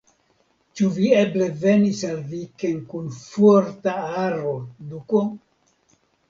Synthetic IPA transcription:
t͡ʃuvieble̞ve̞nisalvikenkunfoɾt̪aaɾoduko

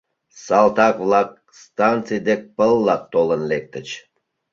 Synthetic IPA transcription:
sɑlˠt̪ɑkvlˠɑk̚ | st̪ɑnt̪sɨjd̪ek̚pəlˠːɑt̪ːolənlek̚t̪ət͡ɕ

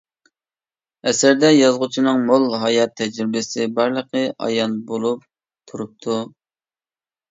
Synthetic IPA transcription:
ɛsɪɾd̪ɛjɑzʁʊt͡ʃʰinɨŋmolˠɦɑjɑt̪ʰːɛd͡ʒɾɪbɪsɪbɑɾlˠəqʰəʔɑ̰jɑnbolˠup̚ | t̪ʰuɾup̚t̪ʰu

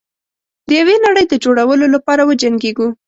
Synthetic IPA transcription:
d̪əjawenaɽəjd̪əd͡ʒoɽawəlolapɑɾawəd͡ʒaŋɡeɡu

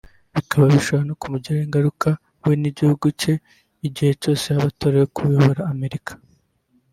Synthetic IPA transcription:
βikʰaβaβiʃoβanokumuɟiɾaiŋɡaɾuka | we̞niɟihuɡuce̞ | iɟihe̞t͡ʃo̞ːse̞haβato̞ːɾajokuβjoβoɾaːme̞ɾikʰḁ

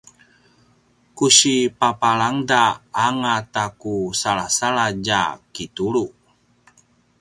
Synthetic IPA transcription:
kusipapalaŋdaːŋat̪akusalasalad͡ʒa̰kitulu

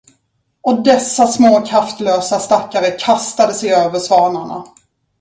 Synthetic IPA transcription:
ɔd̪ɛsːasmoːkʰɾaft̪løːsast̪akːaɾəkʰast̪ad̪əsɛjøːvəʂvɑːɳaɳa̰

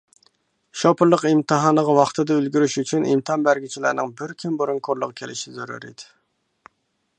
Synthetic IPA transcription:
ʃopʰʊɾlˠəqimt̪ʰɨɦɑːnəʁɑwɑχt̪ʰɨd̪ɛølɡʲyɾyʃyt͡ʃʰynḭmt̪ʰɨɑnbæɾɡʲit͡ʃʰilæ̰ɾnɪŋbɪɾkʲʰymboɾuŋkʰoɾlˠəʁkʲʰelɪʃɪzøɾy̰ɾḭd̪ɪ̥

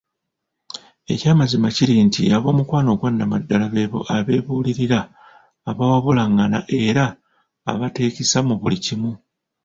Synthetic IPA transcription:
e̞̰caːmazimaciɾintiaβo̞ːmukwaːno̞ɡwanːamadːalaβe̞βo̞̰ʔaβe̞ːβuːliɾiɾaː | βawaβulaŋːana̰ʔe̞ɾa̰ː | βate̞ːcisamuβulicimu

